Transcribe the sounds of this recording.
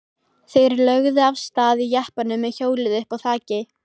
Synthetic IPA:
θejɾlœɣðʏavst̪aːðijahpanʏmːɛðçoːwlɪðʏhpawθaːcɪ

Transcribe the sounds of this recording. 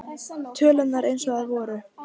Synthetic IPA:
t̪ʰœːlʏnaɾejnsɔɣaðvɔːɾʏ

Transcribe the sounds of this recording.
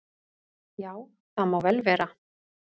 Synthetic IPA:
jaːw | θaðmaːwvɛlvɛːɾa

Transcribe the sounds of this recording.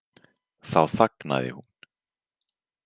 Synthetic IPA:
θawθakna̰ðɪ̰hun

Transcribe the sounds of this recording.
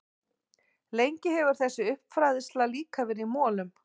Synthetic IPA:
lejɲcɪɦɛvʏɾ̥θɛsːʏʏhpfɾaːðɪst̪laliːkavɪɾimɔːlʏm

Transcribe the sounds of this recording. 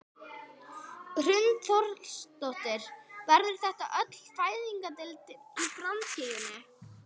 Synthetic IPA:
r̥ʏnt̪θɔɾkst̪ɔht̪ɪɾ̥vɛɾðʏɾ̥θɛht̪a̰ʔœt̪l̥faːjðiŋkat̪ɪlt̪ʰɪlpɾant̪cɪjɪnːɪ

